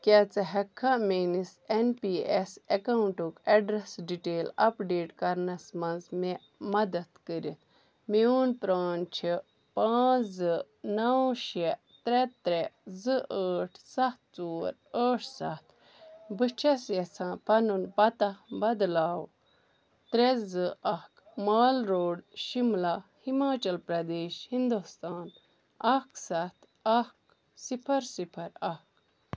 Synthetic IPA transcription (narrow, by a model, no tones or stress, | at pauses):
kʲat͡sɨɦɐkʰːãmenisenpiːesekɐwuɳʈukɐɖɾɐsɖiʈeːlɐpɖeːʈkɐɾnɐsmɐnzme | mɐd̪ɐt̪kəɾit̪ | miuːnpɾaːnt͡ʃʰi | paːzɨ | nɐwʃe | t̪ɾɛt̪ɾezɨəːʈʰsɐht̪̚ʰt͡suːɾ | əːʈʰsɐt̪ʰ | bɨt͡ʃʰɐsjɐsʰãːpɐnunpɐt̪ɐbɐd̪laːw | t̪ɾezɨɐhk | maːlɾoːɖʃimlahimaːt͡ʃɐlpɾɐd̪eːʃhind̪ust̪aːn | ɐksɐt̪ʰ | ɐk | sipʰɐɾsipʰɐɾɐk